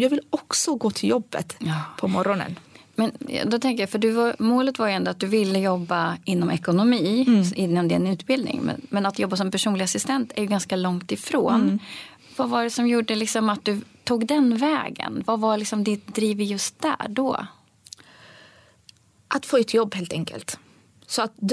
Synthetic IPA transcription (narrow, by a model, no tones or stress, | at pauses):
jɑːɡvɪlɔksɔɡoːt̪ʰɪljɔbːə̰t̪ːpʰɔmɔɾɔnə̰n | mɛn̰d̪ɔt̪ʰɛŋkəjafœɖɵvaɾmoːlət̪vaɾjɵɛnd̪ɔat̪̚d̪ɵvɪlːəjɔbːaɪnːɔmʔɛkʊnʊmiːɪnːamd̪ɛɛnʉ̟ːt̪bɪld̪nɪ̰ŋmɛ̰mɛnat̪jɔbːasɔmpæʂuːnlɪɡasɪst̪ɛnt̪ʰæɾjɵɡanskalɔŋt̪ɪfɾo̰ːn | vavaɖɛsɔmjuːɖəlɪksɔmat̪̚d̪ɵt̪ʰuːɡd̪ɛnvɛ̰ːɡə̰nvavalɪksɔmd̪ɪt̪d̪ɾiːvɪjɵst̪̚d̪æ̰ɖɔ̰ | ʔat̪foːɛt̪ʰjɔbːheːlt̪ɛŋkə̰lt̪ | sɔat̪̚d̪